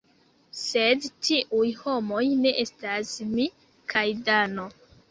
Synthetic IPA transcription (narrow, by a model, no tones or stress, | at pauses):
se̞dtiʔujho̞mo̞jne̞ʔe̞stasmi | kʰajdano̞